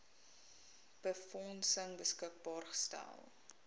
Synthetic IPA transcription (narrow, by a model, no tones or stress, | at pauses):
b̥əfɔnsəŋbəskək̚bɑːrχə̥stæ̰lˠ